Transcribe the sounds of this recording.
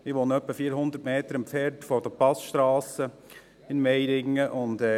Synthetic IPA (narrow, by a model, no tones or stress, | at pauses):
mɪʋonəœpːəfiːɾɦʊnd̪ətmeːt̪əɾɪmpfɛːɾtfɔd̥əpɑsʃt̪ɾɑːsə | ɪnmɛjɾɪŋːəʔʊnd̪ɛ